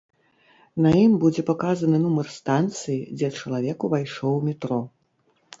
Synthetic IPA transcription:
nɐjimbud͡zʲɛpakazɐnɨnumɐrst̪ant̪sɨjid͡zʲɛt͡ʂɐlˠavʲɛkuvajʂɔwmʲɛt̪ɾɔ

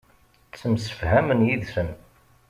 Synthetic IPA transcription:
t͡sːəmsə̥fhæmənjiðsəm

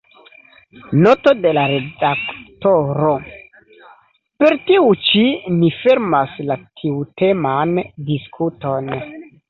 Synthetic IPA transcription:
not̪od̪elaɾedakt̪oɾo | peɾt̪iut͡ʃinifeɾmaslatʰiut̪emand̪iskʰut̪on

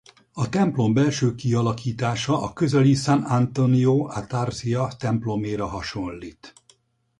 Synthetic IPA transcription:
ɒt̪ɛmplo̞mbɛlʃøːkiɒlɒkiːt̪aːʃɒʔɒkøzɛlisanant̪onioːʔat̪arzijɒt̪ɛmplo̞meːɾɒɦɒʃo̞nliːt̪

